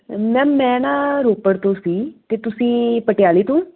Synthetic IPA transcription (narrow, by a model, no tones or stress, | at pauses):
mɛ̃ːmɛ̃ːnãːɾoːpəɽt̪oːsiːt̪eːt̪ʊsĩːpəʈɪjaːliːt̪ũː